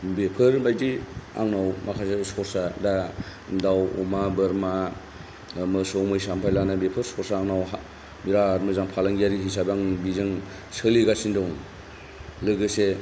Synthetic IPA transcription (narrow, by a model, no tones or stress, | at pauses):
bepʰɯɾbajdia̰ŋnawmakʰasesɔɾsadadawṵmabɯɾma | mɯsowmɯjsampʰajlanabepʰɯɾsɔɾsaːŋnawɦa | miɾaɾmɯzaŋpʰalaŋɡijaɾiɦis̬abaŋbizɯŋ | sɯliɡasindɔwŋ | lɯɡɯse